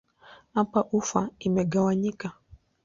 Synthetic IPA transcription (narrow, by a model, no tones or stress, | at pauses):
apaʔufaimɛɡawaɲika